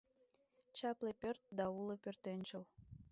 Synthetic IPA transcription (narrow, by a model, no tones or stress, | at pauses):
t͡ɕɑplepʲørt̪̚d̪ɑuləpørt̪enʲt͡ɕəl